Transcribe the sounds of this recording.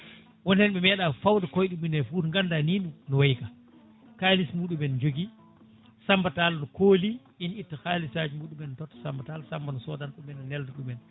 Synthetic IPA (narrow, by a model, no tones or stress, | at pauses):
wɔnɛnɓɛmɛɗafawdakɔjɗuminɛfudŋɡandaninnɔwajka | kaːlismuːɗumɛnd͡ʒoɡi | sambatalnɔkʰoːli | initːakaːlisaːd͡ʒimuːɗumɛntɔtːɔ̥sambatalsambanɔsɔdanɗɔmɛnɔnɛldɔɗumɛn